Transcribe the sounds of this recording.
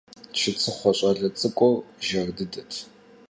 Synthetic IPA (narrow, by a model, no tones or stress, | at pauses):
t͡ʃʰɪt͡sʰʼɨχʷɔɕʼɐɮɐt͡sʼɨkʷʼɔrʒɐrdɨdɐtʰ